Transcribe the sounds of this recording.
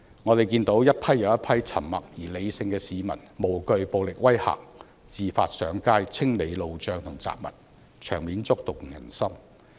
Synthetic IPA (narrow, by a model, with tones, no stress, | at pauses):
ŋɔː˨˧t̪e˨jkiː˧nt̪o˨˥wjɐ˥t̚pʰɐ˥jːɐ˨˧wjɐ˥t̚pʰɐ˥jt͡sʰɐ˨˩mmɐ˨k̚jiː˨˩le˨˧jsɪ˧ŋkɛː˧siː˨˧mɐ̰˨˩nmo˨˩wkɵ˧ɥpo˨wlɪ˨k̚wɐ˥jha̰ː˨˩k̚ | t͡siː˨faː˧t̚sœː˨˧ŋkaː˥jt͡sʰɪ˥ŋle˨˧jlo˨wt͡ʃœː˧ŋt̪ʰʊ˨˩ŋt͡sa̰ː˨p̚mɐ̰˨˩t̚ | t͡ʃʰœː˨˩ŋmiː˨˥nt͡sʊ˥k̚t̪ʊ˨k̚jɐ̰˨˩nsɐ˥m